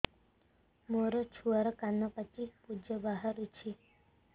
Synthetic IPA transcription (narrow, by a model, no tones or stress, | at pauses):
moɾɔt͡ʃʰuaɾɔkanːɔpat͡ʃipud͡ʒɔbaɦaɾut͡ʃʰi